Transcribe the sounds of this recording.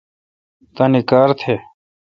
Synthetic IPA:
t̪ãːnikaːɾt̪ʰeː

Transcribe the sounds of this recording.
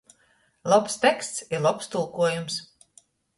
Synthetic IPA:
lˠɔpst̪ɛkst̪siɾlˠɔpst̪ulˠkuɔjums

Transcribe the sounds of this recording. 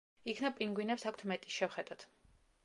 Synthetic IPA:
ikʰnapʼiŋɡwinɛpsakʷʰt̪ʰmɛt̪ʼi̥ʃɛwχɛd̪̥ad̪̥

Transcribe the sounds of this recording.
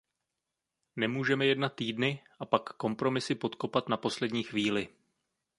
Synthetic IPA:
nɛmuːʒɛmɛjɛdnat̪ːiːdnɪʔapakːo̞mpɾo̞mɪsɪpo̞t̪ko̞pat̪napo̞slɛdɲiːxviːlɪ

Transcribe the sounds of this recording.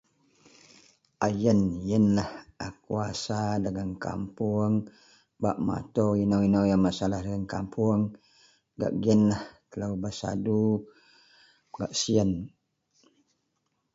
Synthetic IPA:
ajənjənlahakuasadaɡəŋka̰mpuŋ | ba̰ʔma̰t̪oinowinowjaŋmasalahdaɡəŋkampʰuəŋ | ɡa̰ʔɡiənlaht̪ələubasa̰du | baʔsiən

